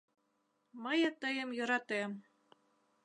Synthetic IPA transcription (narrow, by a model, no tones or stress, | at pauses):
məjɑt̪əjə̆mjɤ̆ɾɑt̪em